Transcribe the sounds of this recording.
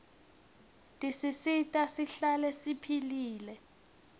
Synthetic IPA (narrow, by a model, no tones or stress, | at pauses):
tʼisisitʼasiɬalɛsipʰiliːlɛ